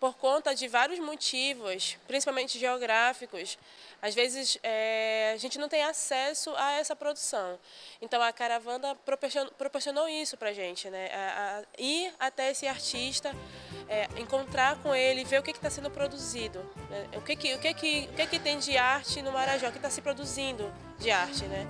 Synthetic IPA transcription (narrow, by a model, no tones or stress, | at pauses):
poɾkõnt̪ɐd͡ʒɪvaɾjʊzmot͡ʃivʊspɾĩsi̥pawmẽnt͡ʃɪʒeoɡɾafikʊs | azvezɪsɛaʒẽnt͡ʃɪnɐ̃w̃t̪ẽj̃asɛsʊaɛsɐpɾod̪usɐ̃w̃ẽnt̪ɐ̃w̃ɐkaɾavɐ̃d̪ɐpɾopoɾsonpɾopoɾsiõnowisʊpɾɐʒẽnt͡ʃɪnɛaiɾat̪ɛesɪaɾt͡ʃiʃt̪ɐɛẽŋkõnt̪ɾaɾkõelɪːveɾʊkekɪt̪asẽnd̪ʊpɾod̪uzid̪ʊnɛʊkekɪʊkekɪʊkekɪt̪ẽj̃d͡ʒɪaɾt͡ʃɪnʊmaɾaʒãkɪt̪asɪpɾod̪uzĩnd̪ʊ | d͡ʒɪaɾt͡ʃɪnɛ